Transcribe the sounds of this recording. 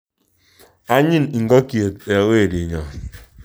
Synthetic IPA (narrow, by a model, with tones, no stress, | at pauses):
a˦ɲɪ˦n̩˨ɡɔ˦ki˨e˨te˨we˦˨ɾi˨ɲɔ˨